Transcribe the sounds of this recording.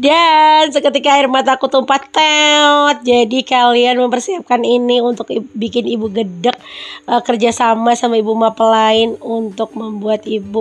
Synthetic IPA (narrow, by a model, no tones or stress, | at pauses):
dansəkət̪ikaːɪrmat̪akut̪umpat̪ːaɔt̪̚d͡ʒadikalianməmpərsiap̚kaniniunt̪ʊkibikɪnibuɡədək̚əkərd͡ʒasamasamaibumapəlaɪnunt̪ʊk̚məmbuat̪ibu